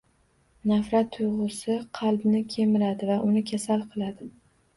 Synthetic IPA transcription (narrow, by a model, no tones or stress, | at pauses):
nafɾat̪ʰːʊjʁʊsɪqʰɑlˠbnɪkʲʰe̞mɪɾad̪ɪvaʔʊnɪkʲʰasalqʰɨlˠad̪ɪ